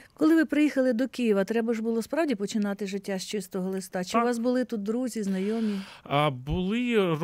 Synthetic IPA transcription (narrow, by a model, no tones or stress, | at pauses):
kɔlˠɪʋɪpɾɪjixɐlˠɪd̪ɔkijiʋɐt̪ɾɛbɐʒbʊlˠɔspɾɑwdʲipɔt͡ʃɪnɑt̪ɪʒɪtʲːaʃt͡ʃɪst̪ɔɦɔlˠɪst̪ɑt͡ʃɪɪʋɑsbʊlˠɪt̪ut̪̚d̪ɾuzʲiznɐjɔmʲi | bʊlˠɪ